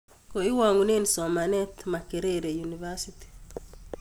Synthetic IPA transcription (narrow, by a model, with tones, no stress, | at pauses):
ko˨i˦wa˨ŋu˨ne˦ni˨sɔ˨ma˨nɛ˦t̪ma˨ke˨ɾe˦ɾe˨junivasiti̥